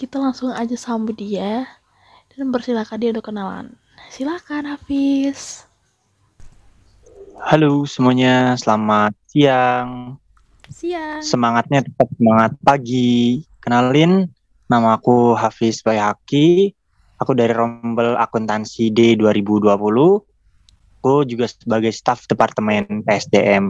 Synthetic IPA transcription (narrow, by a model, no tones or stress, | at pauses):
kit̪alaŋsʊŋad͡ʒasambudia | d̥anbərsilakadiaunt̪ʊkːənala̰n | silakanhafɪs | halosəmuaɲasəlamat̪̚siaŋ | siasəmaŋat̪̚ɲat̪ə̥p̪at̪̚səmaŋat̪̚paɡikənalɪnː | amaːkuɦafɪspajɦaki | akudaɾiɾɔmbəla̰kunt̪ansideduaɾibuduapuluh | akud͡ʒuɡasəbaɡajst̪afdepart̪əmɛnpeɛsdeʔɛm